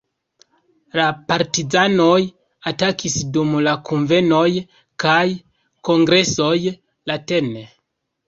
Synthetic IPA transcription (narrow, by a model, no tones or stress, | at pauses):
lapaɾtizano̞j | atakisdumlakunve̞no̞j | kaj | ko̞ŋɡɾe̞so̞j | late̞ne